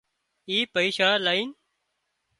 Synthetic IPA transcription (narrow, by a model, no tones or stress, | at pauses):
iːpəiːʃaːlaːiːn